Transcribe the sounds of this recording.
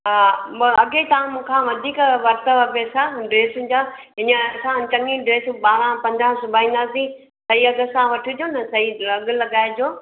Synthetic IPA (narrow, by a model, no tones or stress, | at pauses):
ɦamɐɠet̪ɐʋãmũːkʰãːʋɐd̪ʱiːkʋɐɾt̪əʋɐpeːsaɖɾeːsũd͡ʑãɦɪ̃ɲə̃ɐsãt͡ɕɐ̃ŋĩɖɾeːsũɓaːɾãpɐ̃ɲd͡ʑãsʊbʱaĩːnd̪aːsĩ | sɐiɐɡəsãʋɐʈʰud͡ʑoːnɐsɐiɐɡlɐɡaːɪd͡ʑoː